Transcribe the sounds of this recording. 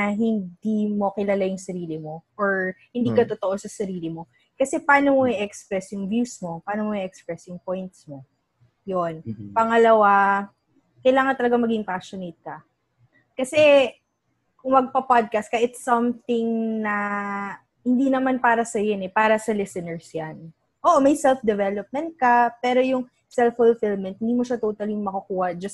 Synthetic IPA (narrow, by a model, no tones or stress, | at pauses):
ɐɦɪnd̪imo̞kɪlalajʊŋsɐɾiːlɪmo̞ʔoɹhɪnd̪iːkɐt̪ot̪oʔo̞sɐsɐɾiːlɪmo̞ | kɐsɛpaːnomoɪʔɛkspɹɛsjʊŋvjuːsmo̞paːnomoɪʔɛkspɹɛsjʊŋpojnt̪smo̞ | jonpɐŋɐlɐwa | kɐjlaːŋɐnt̪ɐlɐɡaŋmɐɡɪŋpaʃonejt̪̚kɐ | kɐsɛ | kʊŋmɐɡ̚pɐpad̪̚kast̪kɐʔɪt̪sɐmt̪ɪŋnɐ | hɪnd̪inɐmanpaːɾɐsɐjonɛpaːɾɐsɐlɛsɛnɛɹsjan | ʔoːʔomɐjsɛlfd̪ɛvɛlop̚mɛnt̪̚kɐpɛːɾo̞jʊŋ | sɛlfʊlfɪlmɛnt̪̚hɪnd̪imoʃat̪oːt̪ɐlɪŋmɐkɐkuːhɐd͡ʒɐs